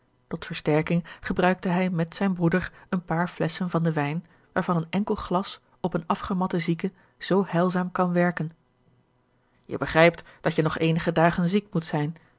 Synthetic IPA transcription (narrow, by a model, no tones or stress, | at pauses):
tɔtfəɹstɛɹkɪŋχəbrœɥk̚təɦɛjmɛtsɛjnbʁudəɹənpaːɹflɛsənvɑndəʋɛjn | ʋaːɹvɑnənɛŋkəlˠχlɑs | ɔpənɑfχəmɑtəzikə | z̥owhɛlˠzaːmkɑnʋɛɹkən | jə̰bəχrɛjp̚td̥ɑtjənɔχejnəχədaːχənzik̚mutsɛjn